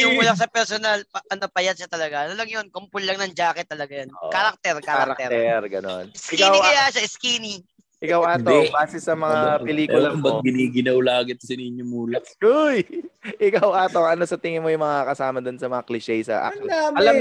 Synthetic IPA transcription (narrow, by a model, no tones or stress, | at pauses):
jʊŋuːlɐk̚s̬ɐpɛɾsonɐlpɐɐnɐpɐjɐt̪̚ʃɐt̪ɐlɐɡaʔɐnolɐŋjonkompʊlːɐŋnɐnd͡ʒaːkɛt̪ːɐlɐɡajonokaɾak̚t̪ɛɾkaɾaɾak̪ɛɾt̪ɛɾɡɐno̞̰nsɪkawaaʃaɪskiːni | ʔɪkawʔaːt̪obaːsɛsɐmɐŋappɛliːkʊlɐmɐɡɪniːɡɪnɐwlaːɡɪt̪ɐsɛnɪɲːomuːlɐkʊjʔɪkawʔaːt̪o̞ŋʔɐno̞sɐt̪ɪŋɪnmojʊŋmɐŋakɐsaːmɐd̪onsɐmɐŋaklɪʃɛjsɐ̰ʔa̰aɐlam